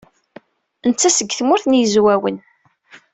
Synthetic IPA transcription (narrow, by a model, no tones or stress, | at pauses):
ənt͡sːæsəɡːθmʊɾθnjəzwæwən